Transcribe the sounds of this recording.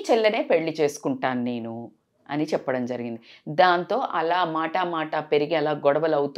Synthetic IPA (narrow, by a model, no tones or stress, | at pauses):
t͡ʃɛlːɐne̞ːpe̞ɭːit͡ʃe̞ːsu̥kuɳʈaːnne̞ːnu | ɐ̰nit͡ʃɛpːɐɽɐmd͡ʒɐɾiɡind̪id̪aːnt̪o̞ːʔɐlaːmaːʈamaːʈape̞ɾiɡiɐlaːɡɔɽɐʋɐlɐwut̪